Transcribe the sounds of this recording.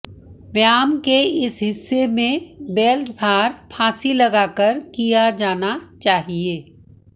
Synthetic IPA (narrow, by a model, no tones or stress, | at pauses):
ʋjaːmkeɪsɦɪsːemẽbɛːlʈbʱaːɾpʰãːsilɐɡaːkəɾkijad͡ʒaːnat͡ʃaːɦieː